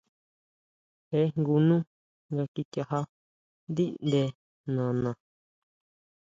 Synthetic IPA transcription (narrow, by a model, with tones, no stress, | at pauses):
he˦ŋɡu˧nũ˦ | ŋɡa˧ki˧t̪ja˧ha˦ | nd̪i˦nd̪e˧ | nã˨nã˨